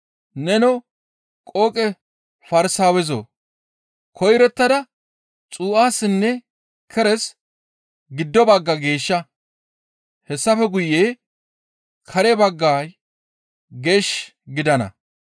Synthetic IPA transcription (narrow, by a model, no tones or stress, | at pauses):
nɛnɔ | kʼoːkʼɛ | fɐɾɪsaːwɛzo̰ | kʰɔjɾɛt̪ːɐd̪ɐ | t͡sʼuːʔaːsːɪnːɛ | kʰɛɾɛs | ɡɪd̪ːɔbɐɡːɐɡe̞ːʃːɐ | hɛsːɐfɛɡʊjːeː | kʰɐɾɛbɐɡːaːj | ɡe̞ːʃ | ɡɪd̪ɐnɐ̰